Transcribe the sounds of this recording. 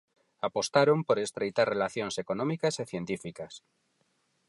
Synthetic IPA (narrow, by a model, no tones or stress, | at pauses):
apo̞st̪aɾõmpoɾest̪ɾejt̪aɾrelaθjonsekonõmikaseθjent̪ifikas